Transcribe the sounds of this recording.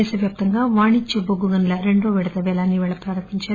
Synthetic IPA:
ɛːsɐʋjaːp̚t̪ɐŋɡaːʋaːɳit͡ʃːɐboɡuɡɐnlɐɾeɳɖoːʋɛɽɐd̪ɐʋɛːlaːnːiʋɛːɭɐpɾaːɾɐmbiɲt͡ʃaːɾ

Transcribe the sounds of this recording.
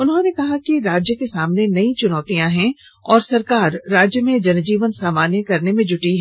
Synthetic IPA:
ʊnɦõnekɐɦakiɾaːd͡ʒjəkesaːmnenɐĩt͡ʃʊnɔːt̪ijãɦɛ̃ | ɔːɾsɐɾkaːɾːaːd͡ʒjəmẽd͡ʒɐnd͡ʒiːʋənsaːmaːnjəkɐɾnemẽd͡ʒʊʈiɦɛ

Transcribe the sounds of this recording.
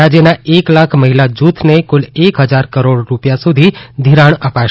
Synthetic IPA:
ad͡ʒjənaeklakʰməɦilad͡ʒut̪ʰnekʊlekɦəd͡ʒaɾkəɾoɽɾupjasud̪ʱid̪ʱiɾaɳ̃əpaʃ

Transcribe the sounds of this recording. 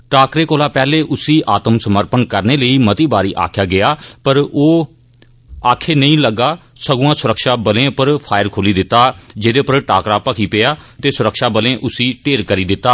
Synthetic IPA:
ʈaːkɾeːkoːlaːpɛːleːʔʊsiːʔaːt̪əmsəməɾpənkəɾneːləiːmət̪iːbaːɾiːʔa̰ːkʰjaːɡɪjaːpəɾoː | aːkʰeːnəĩːləɡaː | səɡuːãːsʊɾəkʃaːbəlẽːpəɾpʰaːɪəɾkʰoːliːd̪ɪt̪ːaːd͡ʒɪd̪eːpəɾʈaːkɾaːpəkʰiːpɪaːt̪eːsʊɾəkʃaːbəlẽːʔʊsiːʈeːɾkəɾiːd̪ɪt̪ːaː

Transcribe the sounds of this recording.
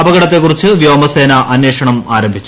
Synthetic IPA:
ɐbɐɣɐɽɐt̪̬ːe̞kːurit͡ɕːɨʋjo̞ːmɐse̞ːnɐʔɐnjeːʂɐɳɐmaːɾɐmbʱit͡ɕː

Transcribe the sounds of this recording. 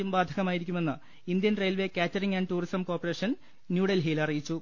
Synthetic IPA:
umbaːd̪ʱɐɣɐmaːjiɾikʲːume̞nːɨ | ind̪jɐnrejlʋe̞kʲaːtːɐɾiŋɡɐːɳɖʈuːrisɐmko̞ːrpːɐreːʂɐn | njuːɽɐlɦiːlɐrijit͡ɕːu

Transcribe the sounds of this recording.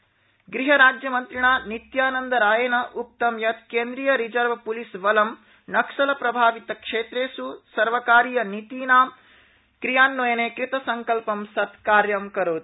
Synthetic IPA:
ɡɾiɦɐɾaːd͡ʒjɐmɐnt̪ɾiɳaːnit̪jaːnɐnd̪ɐɾaːjɐnɐʔuk̚t̪ɐmjɐt̪keːnd̪ɾiːjɐɾid͡ʒɐɾʋɐpulisʋɐlɐm | nɐkʂɐlɐpɾɐbʱaːʋit̪ɐkʂeːt̪ɾeːsusɐɾʋɐkaːɾijɐnit̪iːnaːm | kɾijaːnːojɐneːkɾit̪ɐsɐŋkɐlpɐmsɐt̪kaːɾjɐmkɐɾoːd̪

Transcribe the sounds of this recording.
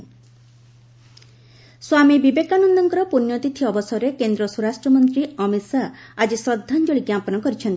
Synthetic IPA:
swamibibekanɔnd̪ɔŋkɔɾɔpunjɔt̪it̪ʰiɔbɔsɔɾekend̪ɾɔsuɾasʈɾɔmɔnt̪ɾiɔmisaːd͡ʒisɔd̪ʱːand͡ʒoɭiɡjapɔnɔkɔɾit͡ʃʰɔnt̪i

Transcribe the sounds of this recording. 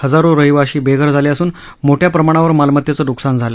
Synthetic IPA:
həd͡zaɾoɾəɦiʋaɕiːbeɡʱəɾd͡zʱaliəsuːn | moʈʰjapɾəmaɽ̃aʋəɾmalmət̪jat͡sənuksand͡zʱala

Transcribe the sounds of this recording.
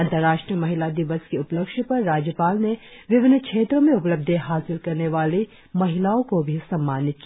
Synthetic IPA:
ɐ̃nt̪əɾːaːʃʈɾiəmɐɦɪlad̪ɪʋəskeʊpləkʃpɐɾːaːd͡ʒjəpaːlne | ʋɪʋɪnkʃeːt̪ɾõmẽʊpləb̚d̪ʱeɦaːsɪlkɐɾneʋaːle | mɐɦɪlaːõkobʱisɐ̃mːaːnɪt̪̚ki

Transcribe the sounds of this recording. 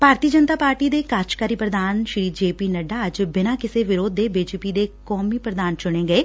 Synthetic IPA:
bʱaːɾt̪iːəd͡ʒənt̪aːpaːɾʈiːd̪eːkaːt͡ʃkaːɾiːpɾəd̪aːnʃɾiːd͡ʒeːpiːnəɖaːəd͡ʒbɪnaːkɪseːʋɪɾoːd̪ːeːbiːd͡ʒeːpiːd̪eːkɔːmiːpɾəd̪aːnt͡ʃʊɽ̃eːɡəeː

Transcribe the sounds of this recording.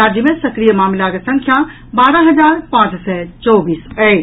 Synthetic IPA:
aːd͡ʒjəmẽsɐkɾijəmaːmlakesɐ̃ŋkʰja | baːɾaɦɐd͡ʒaːɾpãːt͡ʃsɛt͡ʃɔːbiːsɛ

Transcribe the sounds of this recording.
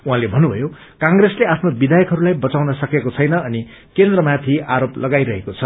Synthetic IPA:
uɦãlebʱʌnːubʱʌ̰jo | kãŋɡresleapʰnobid̪ʱajʌkɦʌɾulajbʌt͡sawnʌsʌkekot͡sʰʌjnʌːni | kend̪rʌmat̪ʰiaɾoplʌɡajɾʌɦekot͡sʰʌ

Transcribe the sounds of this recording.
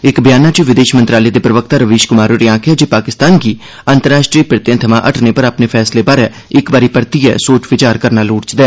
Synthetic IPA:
ɪkbɪjaːnaːt͡ʃiʋɪd̪eːʃmənt̪ɾaːleːd̪eːpɾəʋək̚t̪aːɾəʋiːʃkʊmaːɾoɾiãːkʰjaːd͡ʒeːpaːkɪst̪aːnɡiː | ənt̪əɾaːʃʈɾiːpɪɾt̪jãːt̪ʰəmã̰ːʔəʈʰneːpəɾaːpneːpʰɛːsleːbaːɾɛː | ɪkbaːɾiːpəɾt̪iːɛ̰ːsoːt͡ʃʋɪt͡ʃaːɾkəɾnaːluːɽt͡ʃd̪ɛː

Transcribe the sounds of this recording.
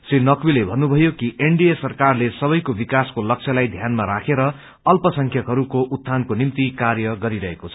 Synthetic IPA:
srinʌkwilebʱʌnːubʱʌjokiʔeɳɖijesʌrkarlesʌβʌjkobikaskolʌk̚t͡sʰʌlajd̪ʱjanmaɾakʰeɾʌ | ʌlpʌsʌŋkʰjʌkɦʌɾukoʔut̪ʰːankonimt̪ikarjʌɡʌɾiɾʌɦekot͡sʰʌ̥

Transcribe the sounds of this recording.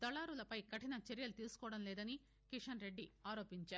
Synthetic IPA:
t̪ɐlaːɾulɐpɐjkɐʈinɐt͡ʃeɾjɐlut̪iːsu̥kɔːʋɐɽɐmlɛːd̪ɐni | kiʂɐnɾe̞ɖːiaːɾo̞ːpiɲt͡ʃaːɾu

